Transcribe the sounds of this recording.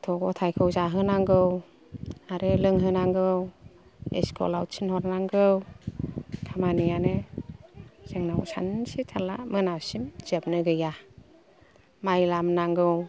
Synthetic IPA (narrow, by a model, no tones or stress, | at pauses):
tʰɔɡɔtʰajkʰɯwzaɦɯnaŋɡɯw | aɾelɯŋɦɯnaŋɡɯw | ḛskʰɔ̰lawt͡ʃʰinhɔɾnaŋɡɯw | kʰamanijane | z̥eŋnawsa̰nsitʰalamɯnasimz̥ep̚nɯɡɯja | majlamnaŋɡɯw